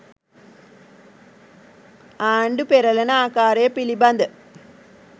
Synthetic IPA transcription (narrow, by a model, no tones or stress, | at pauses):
aːɳɖɨpeɾɐlɐnaːkːaːreːpiliband̪ɨ